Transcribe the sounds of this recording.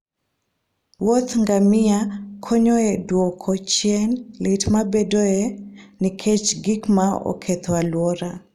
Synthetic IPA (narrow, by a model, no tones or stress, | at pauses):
wot̪ŋɡamɪakʰɔɲɔɛdwɔkʰɔt͡ʃjɛnlɪtmabɛdoɛnikʰet͡ʃɡikmaɔ̰kʰɛt̪ʰwalwɔɾa